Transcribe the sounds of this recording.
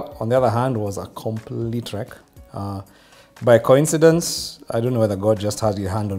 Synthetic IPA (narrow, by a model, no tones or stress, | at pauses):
ɔ̃nðiʌðə˞ɦæ̃ndwɔzə̰kʰɔ̃mpʰlitʰɹ̥ɛk | baɪkʰoɪ̃nsɨdə̃nsaɪjdõʊ̃nːowɛðə˞ɡɔd̚d͡ʒʌst̚hədɪzɦæ̃nd